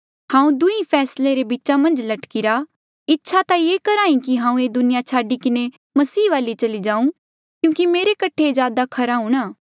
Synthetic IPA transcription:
hãːũd̪ʊĩpʰɛːsleɾebitːt͡ʃamɐ̃nd͡ʒlɐʈkiɾa | ɪtːʃʰat̪ajeːkɐɾaːĩkiɦãːũeːd̪ʊnɪjat͡ʃʰaːɖikɪne | mɐsiːʋaːlit͡ʃɐlid͡ʒãːũ | kjũːkimeːɾekɐʈʰed͡ʒjaːd̪akʰɐɾaũːɽ̃aː

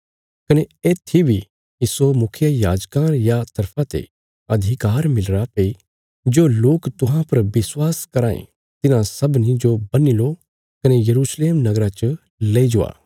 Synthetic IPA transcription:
kɐneeːt̪ʰːibʱi | iːsomʊkʰjəjaːd͡ʒkãːnjat̪ɐɾpʰãt̪ḛ | ɐd̪ʱikaːɾmɪlɾapei | d͡ʒoːloːkt̪ʊɦãpɐɾbɪswaːskɐɾaːḛ̃ | t̪ɪnãsɐbnĩd͡ʒobɐnilo | kɐnejɐɾuːsleːmnɐɡɾat͡ʃ | leːid͡ʒʊa̰ː

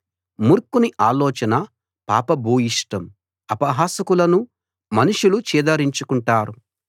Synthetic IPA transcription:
muɾkuniʔaːlɔːt͡ʃɐnɐ | pa̰ːpɐbʱuːjiʂʈɐm | ɐpɐɦaːsɐkulɐnu | mɐnuʂulut͡ʃiːd̪ɐɾiɲt͡ʃukuɳʈaːɾu

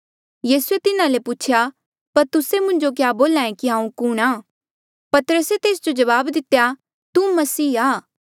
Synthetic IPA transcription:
jiːsuet̪ɪnãlepuːt͡ʃʰja | pɐɾt̪ʊsemʊ̃ɲd͡ʒok̬jaːboːlãːẽkiɦãːũkʊɽ̃aː | pɐt̪əɾəset̪eːsd͡ʒod͡ʒɐβaːbd̪ɪt̪eja | t̪umɐsiːaː

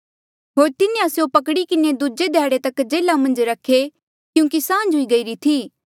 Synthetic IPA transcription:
ɦoːɾt̪ɪnẽɐsjõpɐkɽikɪned̪ud͡ʒed̪ʱɛːɽet̪ɐkd͡ʒeːlamɐ̃nd͡ʒɾɐkʰːe | kjũːŋkisãːnd͡ʒɦʊiɡɐiɾit̪ʰiː

